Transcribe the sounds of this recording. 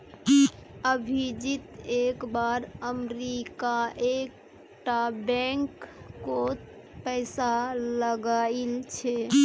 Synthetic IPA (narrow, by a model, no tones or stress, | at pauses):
əbʱid͡ʒit̪ekbaɾəmɾikaʔek | ʈabɛŋkːo | pəɪsaləɡailt͡ʃʰe